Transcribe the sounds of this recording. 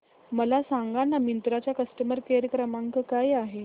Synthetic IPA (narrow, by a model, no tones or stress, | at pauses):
məlasãŋɡanːamint̪ɾat͡ɕjakəsʈəməɾkeɾəkɾəmãŋkəkajaɦe